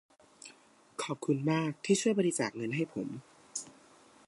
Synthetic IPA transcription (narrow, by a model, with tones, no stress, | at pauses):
kʰɔː˨˩p̚kʰu˧nmaː˥˩k̚t̪ʰiː˥˩t͡ɕʰu˥˩əjba˧ɾi˧˥t͡ɕaː˨˩k̚ŋɤ˧nɦa˥˩jpʰo˩˦m